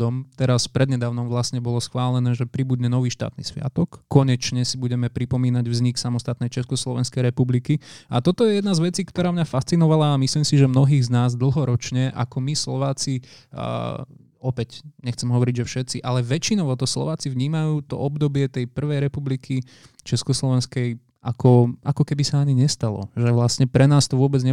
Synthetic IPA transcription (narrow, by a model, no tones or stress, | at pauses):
d̪ɔmt̪ɛɾaspɾɛd̪ɲɛd̪aːʊnɔmʋlasɲɛbɔlɔsxʋaːlɛnɛːʒɛpɾibud̪ɲɛnɔʋiːʃt̪a̰ːt̪nḭsʋɪa̰t̪ɔkːɔɲɛt͡ʃɲɛsibuɟɛmɛpɾipɔmiːnaɟvzɲiksamɔst̪at̪nɛjt͡ʃɛskɔslˠɔʋɛnskɛjɾɛpublikiat̪ɔt̪ɔjɛjɛd̪nazʋɛt͡siːkt̪ɔɾaːmɲafast͡sinɔʋalaːmisliːmsiʒɛmnɔɦiːɣznaːzd̪l̩ˠɦɔɾɔt͡ʃɲɛʔa̰kɔmislɔʋaːt͡si | ɔpɛcɲɛxt͡sɛmɦɔʋɔɾiɟʒɛfʃɛt̪t͡siʔalɛʋɛt͡ʃinɔʊɔt̪ɔslˠɔ̰ʋaːt͡siʋɲiːmajuːt̪ɔ̰ɔbd̪ɔbɪɛt̪ɛjpr̩ʋɛjɾɛpublikʰi | t͡ʃɛskɔslɔʋɛnskɛj | akʰɔʔakɔkɛbisaaɲiɲɛst̪alɔ̰ʒɛʋlasɲɛpɾɛnaːst̪ɔʋʊɔbɛd͡zɲɛ